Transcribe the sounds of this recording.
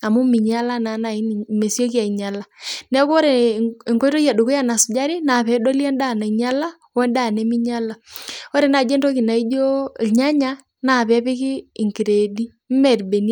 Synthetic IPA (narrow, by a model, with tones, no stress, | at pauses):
a˨mu˦mɪ˨ɲa˦la˦na˨˦na˨i˦n˨me˨sjo˦k̬ja˨i˨ɲa˨la˦nɛ˦ko˦ɾe˨e˨ŋko˦to˦ja˨do˨ku˦ja˦˨na˨sʊ˨d͡ʒa˦ɾi˦na˨pɛ˨˦do˦lja˦nda˦˨na˨i˨ɲa˦la˦ | wɛ˦nda˦˨nɛ˨˦mi˦ɲa˦la˦o˦ɾe˨na˨d͡ʒe˦nto˦ki˨na˨i˦d͡ʒo˦˨ɲa˦ɲa˦ | na˨pɛ˦pɪ˦kɪː˦˨ŋki˨ɾe˨di˦ | m̩˦mɛ˨ɾbe˨ni˦